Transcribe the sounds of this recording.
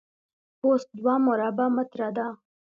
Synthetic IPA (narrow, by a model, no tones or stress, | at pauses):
post̪̚d̪wamoɾabamat̪ɾad̪a